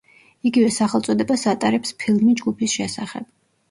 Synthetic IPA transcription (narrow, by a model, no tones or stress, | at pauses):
iɡivɛsaχɛlˠt̪sʼɔd̪ɛbasat̪ʼaɾɛpspʰilˠmid͡ʒɡupʰisʃɛsaχɛ̰b̥